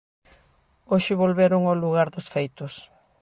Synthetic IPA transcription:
oʃɪβolβeɾʊŋoluɣaɾðʊsfejt̪ʊs

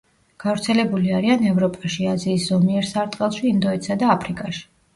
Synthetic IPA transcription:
ɡ̥avɾt̪sʰɛlɛbuliaɾianɛvɾɔpʼaʃiaziːszɔmiɛɾsaɾt̪ʼqʼɛlˠʃiːnd̪ɔɛt̪sad̪aːpʰɾikʼaʃi̥

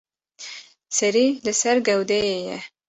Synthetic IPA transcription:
sɛɾilɨsɛɾɡɛwd̪ɛejɛ

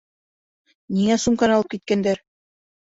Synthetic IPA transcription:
niŋæsumkɑnɑlˠɤp̚kit̪̚kænd̪æɾ

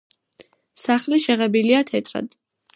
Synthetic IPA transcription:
saχliʃɛʁɛbiliat̪ʰɛt̪ʰʼɾa̰d̪̥

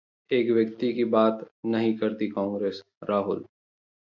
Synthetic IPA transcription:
eːkʋjɐk̚t̪ikibaːt̪nɐɦĩkɐɾt̪ikɔ̃ːŋɡɾeːs | ɾaːɦʊl

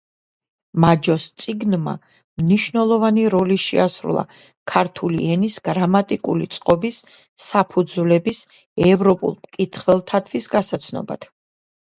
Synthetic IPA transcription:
mad͡ʒɔst̪sʼiɡnma̰ | mniʃnɛlˠɔvaniɾɔliʃɛ̰asɾṵlˠa̰ | kʰaɾt̪ʰuliɛnisɡ̥ɾamat̪ʼikʼulḭt̪sʼqʼɔbisː | apʰud̪zvlɛbis | ɛvɾɔpʼṵlˠmkʼit̪ʰχvɛlˠt̪ʰat̪ʰvisɡasat̪sʰnɔ̰ba̰d̪̥

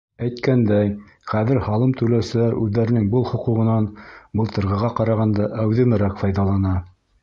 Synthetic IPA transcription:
æjt̪kænd̪æj | χæðɘɾhɑlˠɤmt̪ʰɵ̆læwsɘ̆læɾʉðːæɾɘ̆nɘŋbɤlˠχŏquʁɤ̆nɑnbɤ̆lˠt̪ɤ̆ɾʁɤ̆ʁɑqɑɾɑʁɑnd̪ɑʔæwðɘ̆mɘɾækfɑjðɑlˠɑnɑ

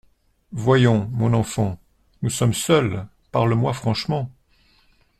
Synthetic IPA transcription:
vwajɔ̃mɔ̃nɑ̃fɑ̃ | nusɔmsœl | paʁləmwafχɑ̃ʃmɑ̃

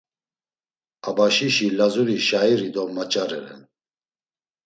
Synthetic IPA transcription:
abaʃiʃilazuɾiʃaiɾid̪ɔmat͡ʃʼaɾɛ̰ɾɛ̰n

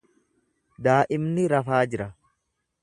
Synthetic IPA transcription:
d̪aːʔɪmnɪɾɐfaːd͡ʒɪɾɐ

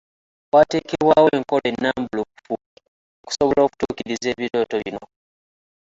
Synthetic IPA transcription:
waːteːkeβwaːweːŋko̞le̞nːaːmbulupfu | oku̥soβolo̞ːku̥tuːkiɾize̞ːβiɾo̞ːtoβino

